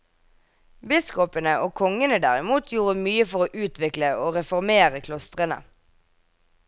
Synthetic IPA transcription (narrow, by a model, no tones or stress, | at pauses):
bɪskɔpənəʔoːkʰɔŋənəd̪æʁɪmuːt̪ʰjuːʁəmyːəfɔʁoːʔʉːt̪ʋɪkləoːʁɛfɔʁmeːʁəkʰlɔst̪ʁənə̰